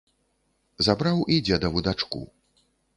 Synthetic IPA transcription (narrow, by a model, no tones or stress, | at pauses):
zabɾawid͡zʲɛd̪ɐvud̪at͡ʂkṵ